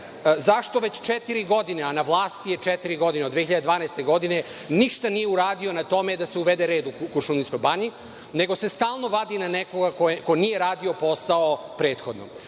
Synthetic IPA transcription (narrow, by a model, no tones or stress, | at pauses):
zaʃt̪o̞ʋet͡ɕt͡ʃet̪iɾiɡo̞d̪ineanaʋlˠaːst̪ijet͡ʃet̪iɾiɡo̞d̪ined̪ʋexiʎad̪ed̪ʋaːnajst̪eɡo̞d̪ine̞ | niʃt̪anijeuɾaːd̪io̞nat̪o̞me̞d̪aseuʋed̪eɾe̞ːd̪ukuɾʃunisko̞jbaɲi | ne̞ɡo̞se̞st̪aːlˠno̞ʋad̪inanekoɡakokojnije̞ɾaːd̪io̞po̞saopɾeːt̪xod̪no